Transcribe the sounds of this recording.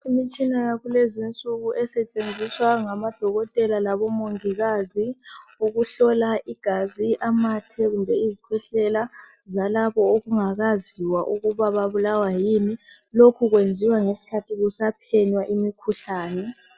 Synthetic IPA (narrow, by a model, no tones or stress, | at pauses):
imit͡ʃʼinajaɣulezint͡sʼuɣuʔɛsɛt͡ʃʼend͡zʱiswaŋamad̥ʱɔɣɔtʼɛlalaβɔmoŋiɣaziuɣuɬɔlaʔiɡ̥ʱaziʔamatʰɛɣumbʱɛizikʰɔɬɛla | zalaβɔoɣuŋaɣaziwaʔuɣuβaβaβulawajiːni | lokʰuɣwend͡zʱiwaŋesi̥kʰatʰiɣusapʰɛɲwaʔimikʰuɬaːnɛ